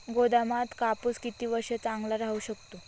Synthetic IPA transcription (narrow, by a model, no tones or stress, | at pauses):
ɡod̪amat̪kapuskit̪iːʋəɾɕjət͡saŋɡlaɾaɦuɕəkt̪o